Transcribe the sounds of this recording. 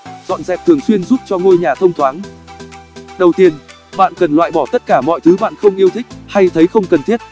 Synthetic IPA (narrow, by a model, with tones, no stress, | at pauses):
zɔ̰˧˨nzɛ̰˨˩p̚t̪ʰɨ˨˩əŋswi˧ənzuː˦˥p̚t͡ɕɔ˧ŋo˧jɲaː˨˩t̪ʰə˧wŋ͡mt̪ʰwaː˨˦n | ɗə˨˩wt̪i˧ən | ɓa̰ː˧˨nkə˨˩nlwa̰ː˧˨jɓɔ˧˩t̪ə˦˥t̚kaː˧˩mɔ̰˧˨jt̪ʰɨ˨˦ɓa̰ː˧˨nxə˧wŋ͡mʔi˧əwt̪ʰï˦˥k̟̚ha˧jt̪ʰə˨˦jxə˧wŋ͡mkə˨˩nt̪i˦˥ət̚